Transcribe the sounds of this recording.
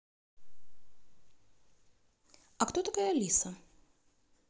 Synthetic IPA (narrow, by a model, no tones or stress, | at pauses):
ɐkt̪ot̪ɐkajɐlʲisə